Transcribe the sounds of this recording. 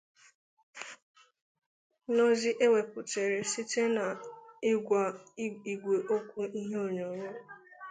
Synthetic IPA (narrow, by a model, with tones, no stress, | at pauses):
nɔ˦zɪ˦ʔe˦we˨pʊ˨te˨ɾe˨si˦te˦na˨ɪ˦ɡʷa˨i˨ɡʷe˨ʔo˦kʷu˦i˦ɦe˦o˦˨ɲo˨ɲʊ˦˨